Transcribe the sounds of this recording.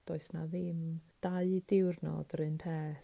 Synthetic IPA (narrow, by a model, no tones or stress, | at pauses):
d̥ɔɨsna̰ðɪmd̥aɨdɪwrnɔ̰d̥əɾɨnpʰɛːθ